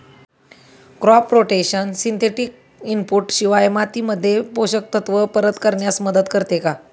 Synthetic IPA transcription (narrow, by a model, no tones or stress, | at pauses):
kɾɔpːɾoʈekɕənsint̪ʰeʈik̚ | impuʈɕiʋajmat̪iməd̪ʱːjepoɕək̚t̪ət̪ʋəpəɾət̪kəɾɳjasməd̪ət̪kəɾt̪eka